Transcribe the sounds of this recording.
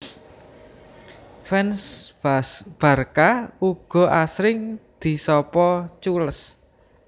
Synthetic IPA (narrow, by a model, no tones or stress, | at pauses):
fɛns | b̥a̤rkauɡ̥ɔ̤ʔasɾɪŋd̪̥i̤sɔpɔt͡ʃuləs